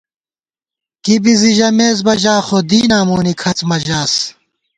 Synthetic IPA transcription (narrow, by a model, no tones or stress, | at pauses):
kibiziʑɐmeːzbɐʑaːxod̪iːnaːmoːnikʰɐt͡smɐʑaːs